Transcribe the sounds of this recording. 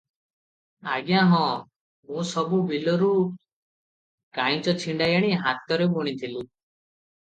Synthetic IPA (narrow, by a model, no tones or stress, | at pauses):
aɡjãɦɔ̃ | mũsɔbubʱilɔɾu | kaĩt͡ʃɔt͡ʃʰiɳɖajaɽ̃iɦat̪ɔɾebɔɽ̃it̪ʰilu